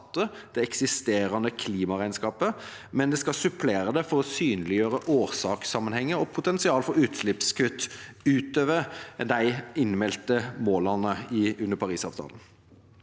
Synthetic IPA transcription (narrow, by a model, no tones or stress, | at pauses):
t̪ːə | d̪̥ɛɛksɪst̪eːɾɑnəkʰliːmɑʁæɪnskɑːpə | mɛnd̪ɛskɑsʉpʰleːɾəd̪ɛfɔɾɔsyːnlɪjøːɾəʔoːʁsɑːksɑmːənhɛŋːəɾɔpʰʊt̪ʰɛnsɪɑːlfɔɾʉːt̪ʃlɪpskʰʉt̪ːʉːt̪øːʋəd̪æɪɪnmɛlt̪əmoːlɑnəɪʉnəɾpʰɑʁiːsɑ̰ːʋt̪ʰɑ̰ːln̩